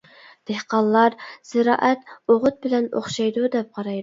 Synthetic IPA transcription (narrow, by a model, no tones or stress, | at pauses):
d̪̥ehqɑlˠːɑɾz̥ɪɾɑ̰ːʔɛt̪oʁʊt̪̚bɪlɛno̰χʃɑjd̪ud̪ɛp̚qʰɑɾɑj